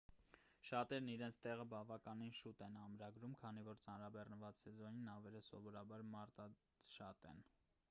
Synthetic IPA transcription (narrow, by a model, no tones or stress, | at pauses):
ʃɑt̪ɛɾniɾɛnt͡sʰt̪ɛʁəbɑvɑkɑninʃut̪ɛnɑmɾɑɡɾumkʰɑnivɔɾt͡sɑnɾɑbɛrnəvɑt͡ssɛzɔninɑvɛləsɔ̰vɔɾɑbɑɾmɑɾt̪ɑ | ʃɑt̪ɛ̰n